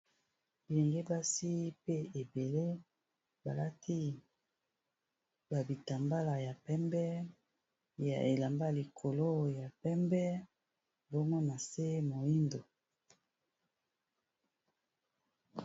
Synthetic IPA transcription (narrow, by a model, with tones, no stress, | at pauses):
bi˨lɛ˨ŋɡe˦ba˦si˦pe˦e˨be˨le˦ | ba˨la˦tʰi˦ | ba˨bi˨ta˨mba˦la˨ja˨pɛ˦mbɛ˦ | ja̰˨ʔe˨la˨mba˦li˨kʰo˨lo˦ja˨pɛ˦mbɛ˦ | bo˦mɔ˦na˨se˦mo˨i˦ndo˨